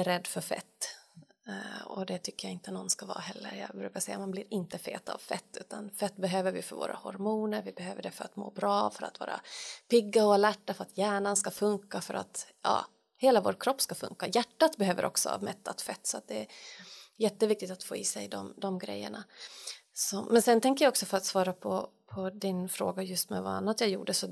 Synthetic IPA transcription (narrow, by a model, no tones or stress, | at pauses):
ɛɾɛd̪ːfœɾfɛ̰t̪ː | ɔ̰d̪ɛt̪ʰʏkːəjaɪnt̪ənɔnskavɑ̰ːhɛlːə̰ɾjɑ̰ːbɾʉ̟ːkaʂɛjːamanblɪɾɪnt̪əfḛːt̪a̰vfɛt̪ːʉ̟ːt̪ʰanfɛt̪ːbɛɦøːvəɾvɪ̰fœɾvo̰ːɾʔa̰hɔɾmuːnəɾvɪbɛɦøːvəɖɛfœɾat̪mo̰ːbɾɑːfœɾa̰t̪vɑ̰ːɾa̰pɪɡːaɔalæʈːafœɾat̪ʰjæːɳanskafɵŋkafœɾʔa̰t̪jɑ̰ː | heːlavoːɾkʰɾɔpːskafɵ̰ŋkajæʈːat̪bɛhøːvəɾʔɔ̰ksɔ̰a̰vmɛt̪ːa̰t̪fɛt̪ːsɔat̪̚d̪ɛːɾjɛt̪ːəvɪk̚t̪ɪkt̪at̪foːɪsɛjd̪ɔmd̪ɔmɡɾɛ̰jːə̰ɳa | sɔmɛnsɛnt̪ʰɛŋkəjaɔksɔfœɾat̪svɑːɾapʰɔpʰɔd̪ɪnfɾoːɡajɵst̪mɛ̰vaa̰nːat̪jɑːjṵːɖəsɔ